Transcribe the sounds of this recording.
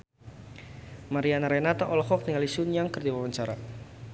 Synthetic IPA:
maɾianaɾɛnat̪aʔɔlɔkɔk̚niŋalisʊnjaŋkərd̪iwawəɲt͡ʃaɾa̰

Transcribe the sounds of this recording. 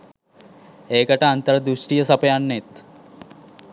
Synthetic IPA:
eːkɐʈaːnt̪əɾɐd̪uʂʈijəsɐpɐjanːet̪

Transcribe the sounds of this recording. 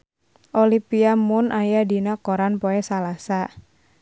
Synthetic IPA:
ʔolipiamʊnʔajadinakoɾanpoɛsalasa

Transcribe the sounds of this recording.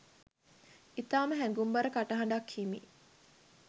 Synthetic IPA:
it̪aːməɦæŋɡumbɐɾəkaʈɐɦɐɳ̆ɖɐkːiːmḭ

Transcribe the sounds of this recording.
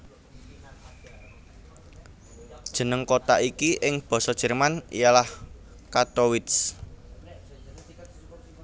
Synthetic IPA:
d̥ʒ̥ə̤nəŋkot̪aʔikiʔɪŋb̥ɔ̤sɔd̥ʒ̥ə̤rmanḭjalah | kat̪owɪt̪s

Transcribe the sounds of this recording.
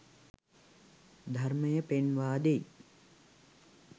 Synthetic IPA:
d̪ʱɐrməjəpenʋaːd̪ej

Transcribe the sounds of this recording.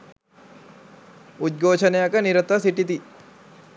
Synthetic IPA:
ud̪̚ɡʱoːt͡ʃʰənejakəniɾət̪asiʈit̪i

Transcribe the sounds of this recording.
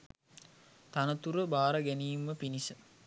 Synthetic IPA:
t̪anət̪uɾəbaːɾəɡæniːmːəpinisə

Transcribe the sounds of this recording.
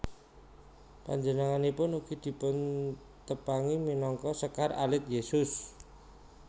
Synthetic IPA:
pa̰ɲd͡ʒənəŋanipʊnuɡ̥i̤d̪̥i̤pʊn | t̪əpaŋiminɔŋkɔsəkara̰lɪt̪̚jesʊs

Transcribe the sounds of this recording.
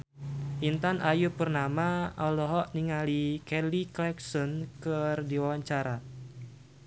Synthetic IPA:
ʔint̪anʔajupərnamaɔlɔɦɔʔniŋalikɛliklɛksɔnkərdiwawaɲt͡ʃaɾa

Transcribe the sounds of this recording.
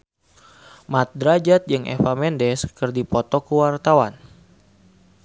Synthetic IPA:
mat̪̚dɾad͡ʒat̪̚d͡ʒɨŋʔɛ̰famɛndɛskɨrdipɔt̪ɔkuwart̪awan

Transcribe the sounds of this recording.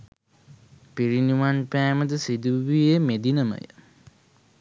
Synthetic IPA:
piɾiniʋanpæːməd̪əsid̪uʋijemed̪inəmə̰jə̰

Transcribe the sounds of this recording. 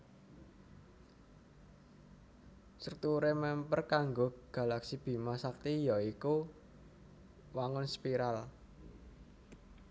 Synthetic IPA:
sərt̪uɾemɛmpərkaŋɡoɡ̥ä̤laksib̥i̤masak̚t̪ijɔiku | waŋʊnspiɾal

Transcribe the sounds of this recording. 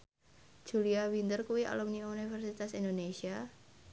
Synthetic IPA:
ʒ̥uliawint̪ərkuwiʔa̰lɔmɲiunifɛrsit̪asind̪onesia

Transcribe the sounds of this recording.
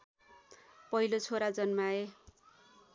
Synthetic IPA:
pʌɦilot͡sʰoɾad͡zʌnmae

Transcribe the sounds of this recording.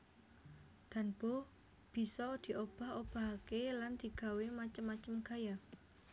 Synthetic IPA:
d̪̥a̤nb̥o | b̥i̤sɔd̪̥i̤ʔob̥a̤hob̥a̤ɦakeland̪̥i̤ɡ̥ä̤wemat͡ʃəmːat͡ʃəmɡ̥a̤ja

